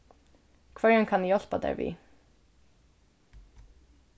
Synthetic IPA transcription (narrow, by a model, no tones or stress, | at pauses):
kʰʋœɹənkʰɑnjɔlpad̪ɛ̰ɹʋḭː